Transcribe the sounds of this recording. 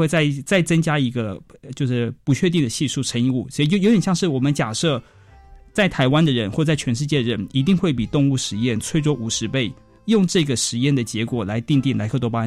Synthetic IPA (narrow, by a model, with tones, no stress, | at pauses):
t͡sa˥˩ɪt͡sa˥˩ɪt͡sə˥ŋt͡ɕja˥i˧˥ɡə˧t͡ɕjo˥˧ʊʂɻ̩˥˩pu˧˥t͡ɕʰɥɛ˥˧t̪̬i˥˩d̪ə˩ɕi˥˧ʂu˥˩ʈ͡ʂʰə˧˥ŋi˧u˥˩sɔ˧˥i˨˧˩o˥jo˧˥ʊjɛ˨˩ɕjɑ˥˧ŋʂɻ̩˥˩wɔ˨˩mə˦nt͡ɕja˨˩ʂɤ˥˧ | t͡sa˥˩ɪt̪ʰa˧˥ɪwa˥nd̪ə˨ɻə˧˥nxwɔ˥˧˩t͡sa˥˩ɪt͡ɕʰɥɛ˧˥nʂɻ̩˥˧t͡ɕjɛ˥˩d̪ə˨ɻə˧˦ni˧˥t̪̬i˥˧ŋxwe˥˩ɪpi˨˩t̪ʊ˥˧ŋu˥˩ʂɻ̩˧˥jɛ˥˩nt͡sʰwe˥ɪʈ͡ʂwɔ˥ʔu˨˩ʂɻ̩˧˥pe˥˩ɪ | jʊ˥˧ŋʈ͡ʂɤ˥˩ɡə˩ʂɻ̩˧˥jɛ˥˩nd̪ə˩t͡ɕjɛ˧˥kwɔ˨˩la˧˥ɪt̪i˥˧ŋt̪i˥˩nla˧˥kʰɤ˥˩t̪wɔ˥pa˥